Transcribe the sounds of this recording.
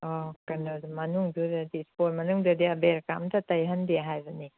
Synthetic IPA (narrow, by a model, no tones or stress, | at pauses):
ɔkɐnodmɐnuŋdudɐdispoɾmɐnuŋdɐdiabeɾkamtɐtɐjɦɐndiɦajbɐni